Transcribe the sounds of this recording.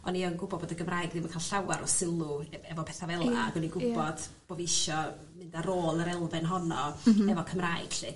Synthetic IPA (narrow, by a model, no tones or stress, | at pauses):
ɔniɔnɡʊbɔdboːdəɡəmraːjɡdimakʰaːlɬawaɾʔɔsɪlˠʊɛvɔpʰɛθavɛlˠa̰aɡɔniɡʊbɔd̥bb̥oːviɪʃɔ | mɪndaɾoːlˠəɾɛlˠvɨnɦɔnɔɛvɔkʰəmraːɨɡ̥ɬɪ